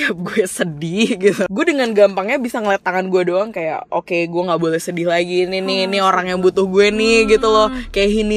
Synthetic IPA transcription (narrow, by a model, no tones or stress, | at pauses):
iap̚ɡuɛsədɪhɡit̪uɡuɛdəŋanɡampaŋɲabisaŋələt̪aŋanɡuɛdoaŋkaja̰ʔo̰keɡuɛŋɡaʔbolɛhsədɪhlaɡininɪnioɾaŋjaŋbut̪ʊhɡuɛnɪhɡit̪ulɔhkajaʔɦini